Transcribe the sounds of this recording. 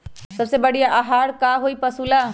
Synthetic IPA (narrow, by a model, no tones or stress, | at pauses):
səbsebəɽ̤ijaʔaɦaːɾkaɦoipəsula